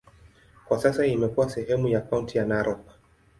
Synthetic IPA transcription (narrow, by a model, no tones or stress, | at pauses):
kwasasaimɛkuwasɛɦɛmujakawuntijanaɾʔɔ